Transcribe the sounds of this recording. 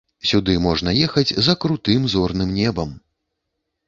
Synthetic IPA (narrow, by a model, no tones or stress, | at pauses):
sʲud̪ɨmɔʐn̪ɐjɛxɐd͡zʲzɐkɾut̪ɨmzɔrnɨmnʲɛbɐm